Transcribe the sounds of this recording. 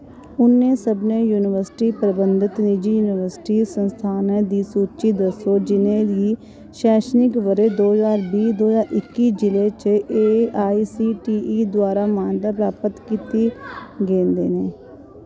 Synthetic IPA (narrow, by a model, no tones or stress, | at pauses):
ʊnːẽːsəbnẽːjuːnɪʋəɾsɪʈiːpɾəbənd̪ɪt̪nɪd͡ʒiːjuːnɪʋəɾsʈiːsənst̪ʰaːnẽːd̪iːsuːt͡ʃiːd̪əsoːd͡ʒɪnẽːd̪iː | ʃɛːʃnɪkʋəɾeːd̪oːzaːɾbiːd̪oːzaːɾʔɪkːiːd͡ʒɪleːt͡ʃeːaːiːsiːʈiːiːd̪waːɾaːmaːnd̪aːpɾaːpət̪kiːt̪iːɡẽːnd̪ḛːnẽː